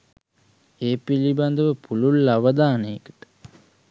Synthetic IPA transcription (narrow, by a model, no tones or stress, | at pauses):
eːpiliband̪əʋəpululːaʋəd̪aːnejəkə̥ʈə̥